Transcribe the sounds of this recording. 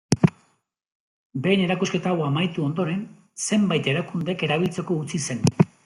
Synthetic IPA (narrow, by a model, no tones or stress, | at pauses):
be̞ːne̞ɾakuske̞t̪awamajt̪uo̞nd̪o̞ɾe̞n | se̞mbajt̪e̞ɾakund̪e̞ke̞ɾaβ̞ilt͡se̞ko̞ut͡sise̞n